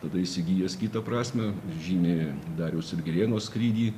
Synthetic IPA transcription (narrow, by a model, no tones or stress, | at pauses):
t̪ɐd̪ɐɪsʲɪɡʲiːjɛskʲiːt̪ɐpɾɑːsʲmʲɛʒʲiːnʲed̪ɑːɾʲɛʊsɪɾʲɡʲɪlʲeːnoːskɾʲiːd̪ʲiː